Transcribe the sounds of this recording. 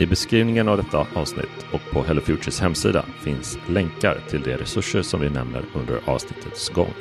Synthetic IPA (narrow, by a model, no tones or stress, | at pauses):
ɪbɛskɾiːvnɪŋənavd̪ɛt̪ːaʔɑːvsnɪ̰t̪ː | ɔk̚pʰɔɦɛlʊfjuːəshɛmːsḭːd̪a̰fɪnslɛŋkaɾt̪ʰɪld̪ɛɾɛsɵʂːəʂɔmvɪnɛmnə̰ɾɵnd̪ə̰ɾɑ̰ːvsnɪt̪ʰːət̪sɡɔ̰ŋː